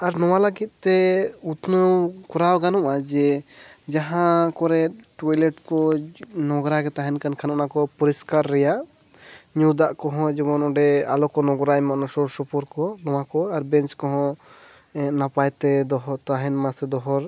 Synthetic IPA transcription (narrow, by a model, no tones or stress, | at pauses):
aɾnɔwaləɡit̪̚t̪ɛut̪nəwkɔɾawɡanɔʔad͡ʒɛd͡ʒaɦãkɔɾɛʈɔjlɛʈkɔnɔɡɾaɡɛt̪aɦɛnkankʰanɔʔnakɔpuɾiskaɾːɛjaʔ | ɲũd̪aʔkɔ̃ɦɔ̃d͡ʒɛbɔnɔɖɛalɔkɔnɔɡɾajmanɔsɔɾsɔpɔɾkɔnɔw̃akɔaɾbɛnt͡ʃkɔɦɔ̃ | ɛ̃ʔ̪napajt̪ɛd̪ɔɦɔt̪aɦɛnmasɛd̪ɔɦɔɾ